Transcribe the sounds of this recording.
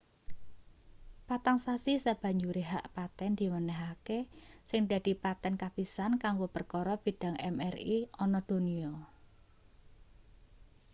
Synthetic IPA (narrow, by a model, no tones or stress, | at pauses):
pat̪aŋsasisab̥ä̤ɲd͡ʒuɾeɦaʔpat̪ɛnd̪̥i̤mənɛɦakesɪŋd̪a̤d̥̪i̤pat̪ɛnkab̥isankaŋɡopərkɔɾɔb̥i̤ɖ̥a̤ŋɛ̰mɛriɔnɔd̪̥o̤niɔ